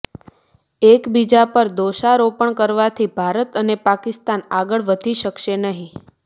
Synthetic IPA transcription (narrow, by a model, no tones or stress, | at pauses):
ekbid͡ʒapəɾd̪oʃaɾopəɳkəɾʋat̪ʰibʱaɾət̪ənepakɪst̪anaɡəɭʋəd̪ʱiʃəkʃenəɦĩ